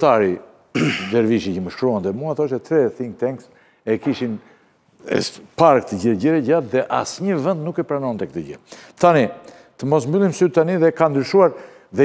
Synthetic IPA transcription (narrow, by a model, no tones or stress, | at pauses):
t̪aɾi | d̪ɛɾviʃicəməʃkɾuant̪ɛmuaθɔʃɛt̪ɾɛθiŋt̪ɛŋks | ɛkiʃin | ɛ̰paɾk̚t̪əɟəɟəɾɛɟat̪ðɛʔa̰sɲəvənd̪nukɛpɾanɔnt̪ɛkət̪əɟət̪ani | t̪əmɔsmbylˠimsyt̪aniðɛkand̪ɾyʃuaɾ | ðɛ